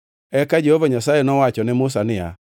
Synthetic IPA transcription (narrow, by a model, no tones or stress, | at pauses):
ɛkad͡ʒehovaɲasajenɔwat͡ʃɔnɛmʊs̬anɪa̰